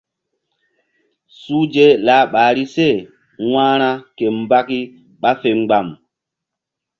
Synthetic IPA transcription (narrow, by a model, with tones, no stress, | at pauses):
suː˦d͡ʒe˦laː˨˦ɓaː˨ɾi˦se˦˨ | wãː˦ɾ̃a˦ke˨mba˦ki˦ | ɓa˦fe˨ŋ͡mɡ͡ba˨m